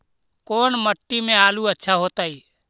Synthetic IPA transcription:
koːnməʈːimẽaːluətːʃʰaɦoːt̪aːiː

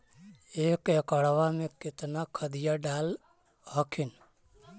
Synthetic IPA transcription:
eːkekəɽʋamẽkɪt̪nakʰəd̪ɪjaɖaːl | ɦəkʰɪn

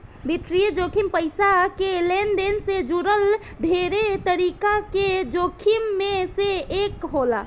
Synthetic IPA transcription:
bit̪ɾied͡ʒokʰimpəjsakelend̪ensed͡ʒuɾəl | d̪ʱeɾet̪əɾikaked͡ʒokʰimːeseekɦola

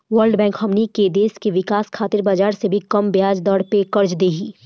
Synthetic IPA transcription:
ʋəɾɖbɛ̃ːŋkhɐmniked̪eːskeʋɪkaːskʰaːt̪ɪɾbaːd͡ʒaːɾsebʱikɐmbjaːd͡ʒd̪ɔːɽpekɐɾd͡ʒd̪eːɡiː

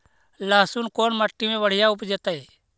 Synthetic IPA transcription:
laːsʊnkoːnməʈːimẽʋəɽ̤ɪjaʊpd͡ʒet̪aeː

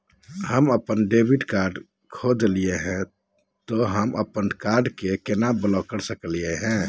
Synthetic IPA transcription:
həməpənɖebiɖkaɾɖ | kʰod͡ʒlieɦɛ̃ | t̪oɦəmə̰pənkaɾɖkekenabəlakəɾsəklijeɦɛ̃

